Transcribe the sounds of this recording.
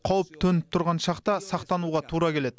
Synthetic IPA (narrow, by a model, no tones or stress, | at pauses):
qʰɑwəp̚t̪ʰɵnɪt̪ʰʊɾʁɑnʃɑqt̪ɑsɑqt̪ɑnuʁɑt̪ʰuɾɑkʲʰe̞led̪ɪ